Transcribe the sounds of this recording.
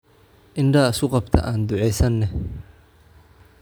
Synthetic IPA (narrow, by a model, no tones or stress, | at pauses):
ʔɪnɖɐsʊqɑbt̪ʰɐ̰ʔaːnd̪ʊʕɛjsɐnːɛ